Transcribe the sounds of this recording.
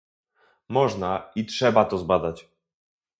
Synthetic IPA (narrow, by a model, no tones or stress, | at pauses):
mɔʐnaitʂɛbat̪ɔzbad̪at͡ɕ